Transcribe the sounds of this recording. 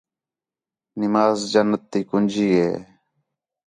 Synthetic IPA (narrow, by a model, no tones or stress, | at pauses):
nɪmaːzd͡ʒənːət̪ːiːkʊnʲd͡ʒʱiːɦḛː